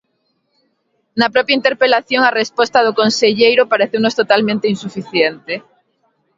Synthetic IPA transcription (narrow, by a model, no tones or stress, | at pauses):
nɐpɾɔpjaint̪eɾpelaθjoŋarespɔst̪aðʊkonseʎejɾʊpaɾeθewnost̪ot̪almẽnt̪einsufiθjent̪e